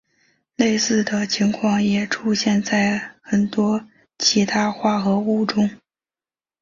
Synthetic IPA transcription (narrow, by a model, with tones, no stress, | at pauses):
le˥˧ɪsɹ̩˥˩d̪ə˩t͡ɕʰi˧˥ŋkʰwɑ˥˩ŋjɛ˨˩ʈ͡ʂʰu˥ɕjɛ˥˧nt͡sa˥˩ɪxə˨˩nt̪wɔ˥ | t͡ɕʰi˧˥t̪ʰa˥xwa˥˩xɤ˧˥u˥˩ʈ͡ʂʊ˥ŋ